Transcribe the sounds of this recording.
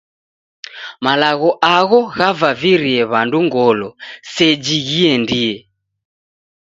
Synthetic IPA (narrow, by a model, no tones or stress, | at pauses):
malaɣɔʔaɣɔɣavaviɾiɛβanduŋɡɔlɔsɛd͡ʒiɣiɛndiɛ